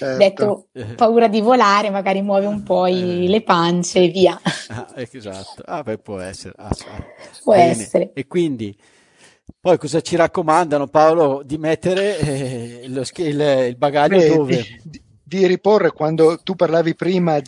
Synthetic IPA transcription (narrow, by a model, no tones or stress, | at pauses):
t͡ʃɛd̪ɛt̪ːopauːɾad̪ivolaːɾemaɡaːɾimwɔːveumpɔilepant͡ʃeviːaaɛza̰t̪ːo̰abɛpwɔɛ̰sːḛɾḛa̰spwɔɛneːeɾeekwind̪i | pɔjkɔzat͡ʃiɾakːomand̪anopaolod̪imɛt̪ːeɾe | loskililbaɡaʎːod̪oːve | d̪iɾiporːekwand̪ot̪upːarlaːvipɾiːma